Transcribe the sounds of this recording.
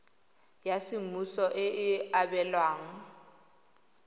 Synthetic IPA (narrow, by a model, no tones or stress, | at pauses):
jasɪmusɔʔɪɪabɛlwaːŋ̩